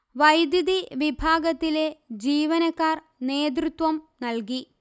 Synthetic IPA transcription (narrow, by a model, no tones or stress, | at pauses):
ʋɐjd̪jɐd̪iʋibʱaːɡɐt̪ːile̞d͡ʑiːʋɐnɐkːaːr | ne̞ːd̪rut̪wɐmnɐlki